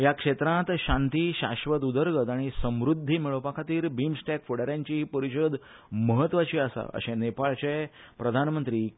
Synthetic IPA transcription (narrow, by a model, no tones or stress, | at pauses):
ɦjakʂet̪ɾãt̪ɕãnt̪iːɕaɕʋət̪ud̪əɾɡət̪aɽ̃isəmɾud̪ʱːimiɭəʋpakʰat̪iːɾbimsʈɛkfoɽəɾjãɲt͡ɕiːpəɾiɕəd̪ | məɦət̪ːʋat͡ɕiəsa̰ə̰ɕẽnepaɭt͡ɕepɾəd̪ʱanmənt̪ɾiː